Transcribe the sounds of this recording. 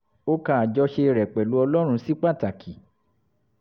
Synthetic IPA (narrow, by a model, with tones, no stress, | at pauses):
o˦kã˦˨a˨d͡ʒɔ˧ʃe˧ɾɛ˨k͡pɛ˨lu˨˦ɔ˧lɔ˦ɾ̃ũ˧˦si˦k͡pa˦˨ta˨kʰi˨